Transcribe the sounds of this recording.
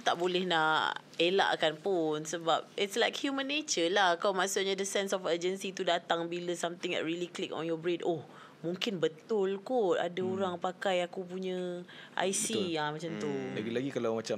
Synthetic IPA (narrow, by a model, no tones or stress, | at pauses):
t̪aʔbolɛhnaʔ | ela̰ʔkanpʊnsəbap̚ɪtslajkhjumə̃nːet͡ʃəlahkawmãʔsʊʔ̚ɲadəsɛnsɔfəd͡ʒənsit̪udat̪aŋbiləsamt̪ɪŋɛ̰ʔ̚ɹiliklɪkɔ̰njɔbɾedoh | mũŋkɪnbət̪ʊlkʊa̰daoɾaŋpakajakup̬uɲə̃ʔa̰jsiamat͡ʃamt̪umaɡilaɡikalawmat͡ʃam